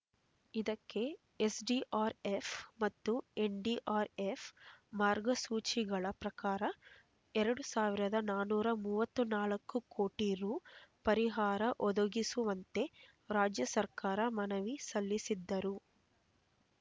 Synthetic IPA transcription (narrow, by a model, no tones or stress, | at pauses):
id̪ɐkːe̞ | esɖiːʔaːɾefmɐt̪ːueɳɖiːʔaːɾefmaːɾɡɐsuːt͡ʃiɡɐɭɐpɾɐkaːɾɐ | ɛɾɐɽusaːʋiɾɐd̪ɐnaːnuːɾɐmuːʋɐt̪ːunaːlɐkːukoːʈiɾuːpɐɾiɦaːɾɐʔɔd̪ɐɡisuʋɐnt̪e̞ | ɾaːd͡ʒjɐsɐɾkaːɾɐmɐnɐʋisɐlːisid̪ːɐɾu